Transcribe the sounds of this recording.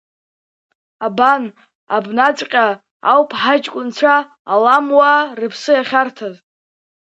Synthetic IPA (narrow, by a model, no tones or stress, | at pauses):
aban | abnat͡sʼqʲʼa | a̰wpʰħat͡ʃʼkʷʼʊnt͡ʃʷʰaː | lamwarɨpʰsɨjaχʲartʰaz